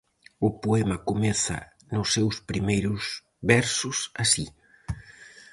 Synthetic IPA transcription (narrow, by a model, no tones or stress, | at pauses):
ʊpoɛmɐkomɛθɐ̰ | nʊsːewspɾimejɾʊs | βɛɾsʊsasi